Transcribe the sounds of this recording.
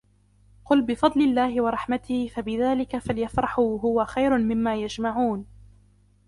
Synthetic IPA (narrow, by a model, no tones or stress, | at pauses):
qʊlbɪfɑd̪ˤlɪlːaːhɪwɑɾˤɑħmat̪ɪhfabɪðaːlɪkafaljafɾˤɑħʊɦʊwaxajɾʊmɪmːaːjad͡ʒmaʕuːn